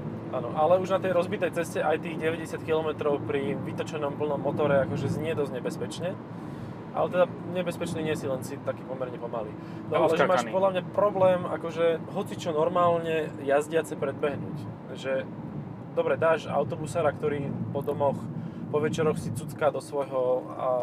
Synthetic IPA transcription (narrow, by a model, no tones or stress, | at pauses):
ʔa̰ːnɔ̰ʔalɛuʒnat̪ɛjɾɔzbit̪ɛjt͡sɛscɛʔajt̪iːɣɟɛʋɛɟɛsɪat̪kilɔmɛt̪ɾɔʊpɾiʋit̪ɔt͡ʃɛnɔmpl̩nɔmːɔt̪ɔɾɛakɔʒɛzɲɪɛd̪ɔzɲɛbɛspɛt͡ʃɲɛ | ʔa̰lɛt̪ɛd̪a | ɲɛbɛspɛt͡ʃniːɲɪɛsilɛnsit̪akiːpɔmɛɾɲɛpɔmalḭː | nɔalɛʒɛmaːʃpɔd̪lʎamɲapɾɔblɛːmʔa̰kɔʒɛɦɔt͡sit͡ʃɔnɔɾmaːlɲɛjazɟɪat͡sɛpɾɛd̪̚bɛɦnṵːc | ʒɛ | d̪ɔbɾɛd̪aːʃa̰ʊt̪ɔbusaːɾakt̪ɔɾiːpɔd̪ɔmɔxpɔʋɛt͡ʃɛɾɔxsit͡sut͡skaːd̪ɔsʋɔjɦɔ | a̰